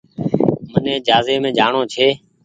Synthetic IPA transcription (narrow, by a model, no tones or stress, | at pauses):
mənẽːd͡ʒaːzeːmẽːd͡ʒaːɳoːt͡ʃʰeː